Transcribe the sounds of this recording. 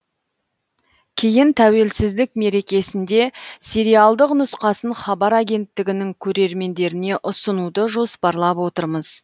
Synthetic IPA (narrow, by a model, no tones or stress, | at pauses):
kʲʰe̞jɪnt̪ʰæwe̞lsɪzd̪ɪkme̞ɾe̞kʲe̞sɪnd̪e̞sʲe̞ɾijɑlˠd̪əqnʊsqɑsəɴχɑbɑɾaɡʲe̞nt̪ːɪɡʲɪnɪŋkʲʰɵɾe̞ɾme̞nd̪e̞ɾɪne̞ʔʊsənud̪əʒo̞spɑɾlˠɑpwo̞t̪əɾməz